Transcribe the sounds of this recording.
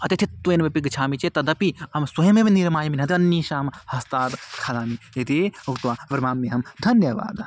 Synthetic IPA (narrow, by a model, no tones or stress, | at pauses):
ɐt̪it̪ʰit̪ːueːnʋɐpiɡɨt͡ʃʰaːmit͡ʃet̪ɐd̪ɐpiɐmsɐjɐmebiniɾmaːjɐminʲɦɐt̪iɐnːiʃaːmhɐst̪aːd̪kʰalaːmi | et̪iɐkt̪uʋaːʋɐɾmaːmːiɦɐmd̪ʱɐnjɐʋa̰ːd̪